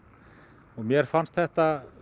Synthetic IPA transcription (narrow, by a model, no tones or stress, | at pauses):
ɔɣmjɛɾ̥fanst̪θɛht̪a